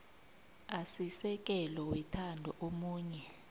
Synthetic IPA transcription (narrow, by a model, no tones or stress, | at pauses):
asisɛk̬ʼɛlɔwɛtʰandʱɔʔomuːɲɛ